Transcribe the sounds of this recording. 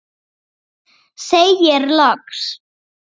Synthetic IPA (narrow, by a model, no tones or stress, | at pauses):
sejjɪɾlɔks